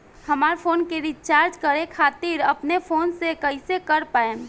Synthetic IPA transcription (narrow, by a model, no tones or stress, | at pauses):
həmaːɾpʰoːnkeɾit͡ʃaːɾd͡ʒkəɾekʰaːt̪iɾəpnepʰoːnsekəɪsekəɾpaen